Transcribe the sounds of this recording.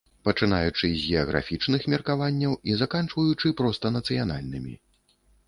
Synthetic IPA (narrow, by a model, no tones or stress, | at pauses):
pɐt͡ʂɨnajut͡ʂɨzʲɣʲɛɐɣɾʔa̰fʲit͡ʂnɨxmʲɛrkavanʲːɐwizakant͡ʂvɐjut͡ʂɨpɾɔst̪ɐnɐt̪sɨjana̰lʲnɨmʲḭ